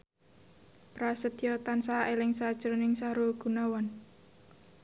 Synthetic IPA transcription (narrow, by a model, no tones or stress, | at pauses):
pɾasət̪jɔt̪ansaʔelɪŋsad̥ʒ̥əɾonɪŋsaɾuɡ̥ṳnawɔn